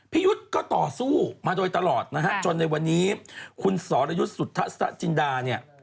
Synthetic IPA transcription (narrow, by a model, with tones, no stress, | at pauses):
pʰiː˥˩ju˦˥t̪̚kɔː˥˩t̪ɔː˨˩suː˥˩maː˧doː˧jt̪a˧lɔː˨˩t̪̚na˦˥kʰa˦˥ʔt͡ɕo˧nːa˧jwa˧nːiː˦˥kʰu˧nsɔː˩˦ɾa˧ju˦˥t̪̚su˨˩t̪ʰːa˦˥ʔst̪ʰa̰˦˥ʔt͡ɕi˧ndaː˧ni˥˩ɐ